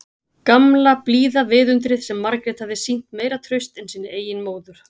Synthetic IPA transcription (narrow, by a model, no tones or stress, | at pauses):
kamlapliːðavɪːðʏnt̪ɾɪðsɛmːaɾkɾɛt̪havðɪsin̥t̪meːjɾat̪ʰɾœɥst̪ɛnsiːnɪeːjɪnmoːwðʏɾ̥